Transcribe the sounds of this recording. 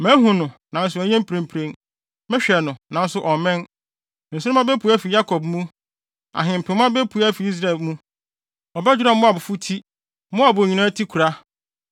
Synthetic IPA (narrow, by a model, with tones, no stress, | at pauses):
mɛ̃˨˦ɦũ˨nʊ̃˨nã˨˦n̩˦s̬ʊ˦ɛ˨˦ɲɛ̃˦m̩˦pʰɾẽ˨mpʰɾẽ˨n | mɛ̃˦ɕᶣɛ˨nʊ̃˨nã˨n˦sʊ˦ʔɔ˨mɛ̃˦n˨ | n̩˨s̬ʊ̃˦a˦bɛ˦pʰu˨˦æ˦fi˨ja˦kʰɔ˨bmũ˦ | a̰˨ɦɪ̃˨m̩˨pʰɪ̃˨˦mʊ̃˦a˦bɛ˦pʰu˨˦a˦fi˨i˦s̬ɾa˨ɛ˨lmũ˦ | ɔ˨bɛ˦d͡ʑᶣu˦ɾã˨˦mʊ̃˦a˨bʊ˨fu˦tʰi˦ | mʊ̃˦a˨bʊ˨ɲi˨nã˦tʰi˦kʰu˨ɾa˦